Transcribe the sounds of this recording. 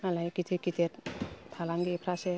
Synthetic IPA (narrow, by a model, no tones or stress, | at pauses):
nalajkit̪ʰikit̪ʰeɾt̪ʰalaŋɡipʰɾase